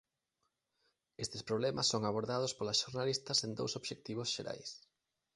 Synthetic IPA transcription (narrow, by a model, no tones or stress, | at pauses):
est̪espɾoβlɛmɐsːoŋaβoɾðaðʊspolasʃoɾnalist̪ɐsend̪o̰wsoβʃek̚t̪iβʊsʃeɾa̰js